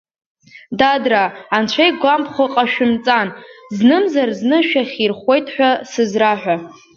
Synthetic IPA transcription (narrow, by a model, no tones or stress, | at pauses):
dadraːnt͡ʃʷʰajɡʷampʰχʷʊqʼaʃᶣʊmt͡sʼanznɨmzarznɨʃᶣaχʲirχʷe̞jtʼħʷᶣasɨzraħʷᶣa